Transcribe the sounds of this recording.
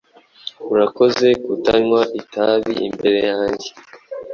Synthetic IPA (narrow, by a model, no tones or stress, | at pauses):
uɾako̞ze̞kutaɲwaʔitaβḭʔḭmbe̞ɾe̞jaːɲɟe